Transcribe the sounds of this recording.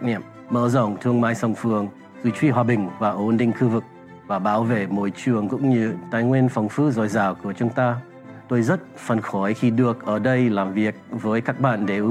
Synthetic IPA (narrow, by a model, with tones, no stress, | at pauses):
mə̰ː˧˩zə˨˩wŋ͡mt̪ʰɨ˧əŋmaː˧˥jsə˨˩wŋ͡mfɨ˨˩əŋ | zwi˧˩t͡ɕwi˧ɦwaː˧˩ɓï˨˩ŋ̟vaː˨˩ʔo˨˧˦nɗï˧˨ŋ̟xɨ˧vɨ˨˩k̚ | vaː˨˩ɓaː˨˦wvḛ˧˨mo̰˧˨jt͡ɕɨ˧˩əŋkʊ̰˧˥ŋ͡mɲɨ˧t̪aː˨˧jŋwi˧nfə˨˩wŋ͡mfɨ˦˥zɔ˨˩jzaː˨˩wku˧˩ət͡ɕʊ˨˧˦ŋ͡mt̪aː˧ | t̪o˧jzə˦˥t̚fə˨˩nxɔ˧˩˦jxi˧ɗɨ˨˩ək̚ʔəː˧˩ɗə˧jlaː˨˩mvi˨˩ək̚vəː˨˦jkaː˦˥k̚ɓa̰ː˧˨nɗe˧˩ʔ